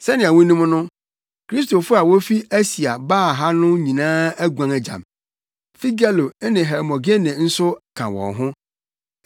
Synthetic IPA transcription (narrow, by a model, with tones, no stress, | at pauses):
sɛ˦nɪ̃˨æ˨wũ˦nũ˦m˦nʊ̃˦ | kʰɾi˦s̬to˨fʊ˦a˨wo˦fi˦æ˦si˨a˨baː˦˨ɦa˦nʊ̃˦ɲĩ˨nãː˦æ˦ɡu˨ã˨ŋæ˨d͡ʑã̰˨m | fi˦ɡa˦lo˨ɛ˦nɪ̃˨ɦɛ˨mɔ̃˨ɡe˦nɪ̃˨n̩˦sʊ˦kʰã̰˨wɔ̰̃˨ŋɦʊ̃˦